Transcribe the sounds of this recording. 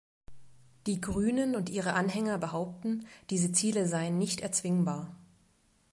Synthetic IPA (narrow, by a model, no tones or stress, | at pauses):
d̥iːɡʁyːnənʊntʔiːʁ̞əʔanɦɛŋɐbəɦaʊp̚tn̩d̥iːzət͡siːləzaɪənːɪçtɛɐt͡sv̥ɪŋbaːɐ